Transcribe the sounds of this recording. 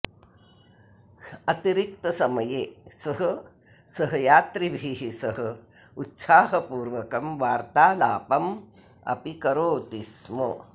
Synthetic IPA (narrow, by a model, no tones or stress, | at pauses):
ɐt̪iɾik̚t̪ɐsɐmɐjeːsɐɦɐ̆ | sɐɦɐjaːt̪ɾibʱiɦisɐɦɐ̆ | ut̪saːɦɐpuːɾʋɐkɐmʋaːɾt̪aːlaːpɐm | ɐ̰pikɐɾoːt̪ismɐ̰